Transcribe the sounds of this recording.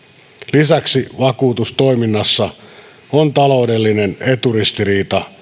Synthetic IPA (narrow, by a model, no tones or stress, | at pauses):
lisæksiʋɑkuːt̪ust̪o̞iminːɑsːɑ | ont̪ɑlo̞ude̞lːinene̞t̪urist̪iriːt̪ɑ